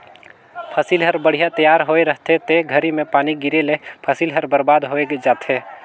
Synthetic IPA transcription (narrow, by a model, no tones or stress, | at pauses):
pʰəsilɦɐɾbəɽ̤ijat̪əjaːɾɦoːeɾəɦt̪ʰet̪ʰeɡʱəɾimẽpaːniɡɪɾelepʰəsiːlɦɐɾbəɾbaːd̪ɦoːeɡed͡ʒaːt̪ʰeː